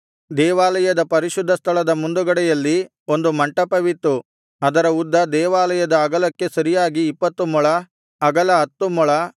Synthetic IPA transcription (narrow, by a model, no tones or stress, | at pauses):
d̪ɛːʋaːlɐjɐd̪ɐpɐɾiʃud̪ʱːɐst̪ʰɐɭɐd̪ɐmund̪uɡɐɽɛjɐlːi | o̞nd̪umɐɳʈɐpɐʋit̪ːu | ɐd̪ɐɾɐud̪ːɐd̪ɛːʋaːlɐjɐd̪ɐːɡɐlɐkːe̞sɐɾijaːɡiːpːɐt̪ːumɔɭɐː | ɡɐlɐɦɐt̪ːumɔɭɐ